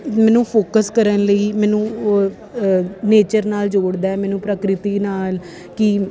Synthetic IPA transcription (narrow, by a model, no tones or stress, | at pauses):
mɛ̃ːnũːpʰoːkəskəɾənləiːmɛːnũː | neːt͡ʃəɾnaːld͡ʒoːɽd̪aːɛːmɛːnũːpɾəkɾɪt̪iːnaːl | kɪ